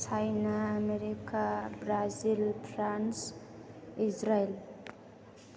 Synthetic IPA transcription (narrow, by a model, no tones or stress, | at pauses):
sajnaːmeɾikabɾazilpʰɾans | id͡ʒɾael